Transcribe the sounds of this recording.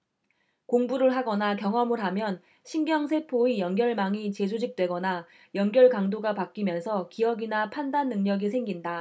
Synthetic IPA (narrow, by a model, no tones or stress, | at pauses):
koŋbuɾɯɭɦaɡʌnakjʌŋʌmɯɭɦamjʌn | ɕʰinɡjʌŋsʰe̞pʰoijʌnɡjʌɭmaŋit͡ɕe̞sʰod͡ʑik̚t͈we̞ɡʌna | jʌnɡjʌɭkaŋdoɡapak͈imjʌnsʰʌkijʌɡinapʰandanːɯŋɲʌɡisʰe̞ŋɡinda